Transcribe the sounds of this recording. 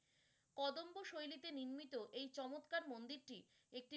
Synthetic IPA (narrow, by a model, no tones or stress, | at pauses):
kɔd̪omboʃojlit̪eniɾmit̪oʔejt͡ɕɔmot̪kaɾmond̪iɾʈi | ek̚ʈi